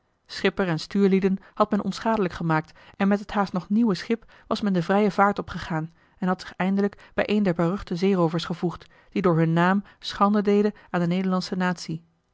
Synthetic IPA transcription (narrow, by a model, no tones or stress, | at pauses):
sχɪpərɛnstyːɹlidənhɑtmɛnʔɔ̰nsχaːdələkχəmaːk̚tɛnmɛtɦəthaːstnɔχniwəsχɪp | ʋɑsmɛndəvrɛjəvaːɹtɔpχəχaːn | ɛnɦɑtsɪ̥χɛjndələkb̥ɛjʔejndɛɹbaːrɵχtəzejrowvəɹsχəvuχt | d̥idʊːɹɦɵnːaːm | sχɑndədejdəaːndənejdəɹlɑnsənaːtsi